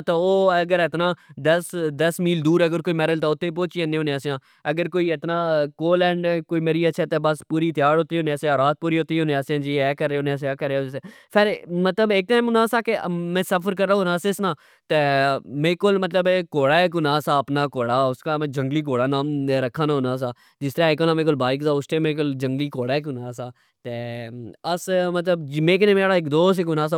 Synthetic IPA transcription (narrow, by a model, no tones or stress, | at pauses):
t̪eːoːəɡəɾɪt̪nãːd̪əsd̪əsmiːld̪uːɾəɡəɾkoːiːmɛːɾəlt̪aːʊt̪ːeːp̬oːt͡ʃiənẽːɦoːneaːsjãː | əɡəɾkoːiːɪt̪nãːkoːlɛ̃ːɳɖkoːiːmeːɾiːəʃʰɛːt̪eːbəspuːɾiːt̪ɪjaːɾɦoːt̪iːʊneãːseaːɾaːt̪̚puːɾiːɦot̪iːʊneaːsãːd͡ʒiːɛːkəɾːeʊːneaːs̬aːkəɾːeseːpʰɪɾmət̪ləbeːk̚t̪aːɪmnãːsaːkemɛ̃ːsəfʰəɾkəɾːaːõnãːsesnaː | t̪eːmẽːkolmət̪ləbkoːɽaːekʊnãːsaːəpnaːkoːɽaːʊskaːmd͡ʒəŋɡliːk̬oːɽaːnaːmeɾəkʰːãːnaːɦʊnãːs̬aː | d͡ʒɪst̪əɾãːekonãːmẽːkolbaːɪkzaːʊst̪eːmẽːkʊld͡ʒəŋɡliːkoːɽaːekʊnaːsaː | t̪eːəsmət̪ləbd͡ʒmẽːk̬ɪnẽːmeɽaːɪkd̪oːɪkʊnaːs̬aː